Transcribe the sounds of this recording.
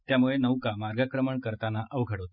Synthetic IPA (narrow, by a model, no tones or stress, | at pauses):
t̪jamuɭenəʋkamaɾɡakɾəməɳkəɾt̪anaʔəʋɡʱəɽot̪